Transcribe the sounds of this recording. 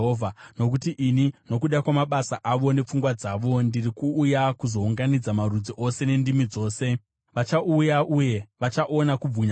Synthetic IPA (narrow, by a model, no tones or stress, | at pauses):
ɦovʱano̞kutiʔinino̞kuɗakwamaɓasaʔaʋo̞ne̞p͡fuŋɡwad͡zaʋo̞ndirikuːjakuzo̞uŋɡanid͡zamarud͡ziʔo̞se̞ne̞ndimid͡zo̞ːse̞ | ʋat͡ʃaujaʔuje̞ʋat͡ʃaʔo̞nakub͡vuɲa